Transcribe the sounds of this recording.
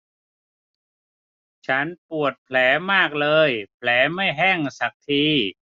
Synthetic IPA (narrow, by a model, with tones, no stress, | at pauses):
t͡ɕʰa˦˥npu˨˩ət̪̚pʰlɛː˩˦maː˥˩k̚lɤː˧jpʰlɛː˩˦ma˥˩jɦɛ˥˩ŋsa˨˩k̚t̪ʰiː˧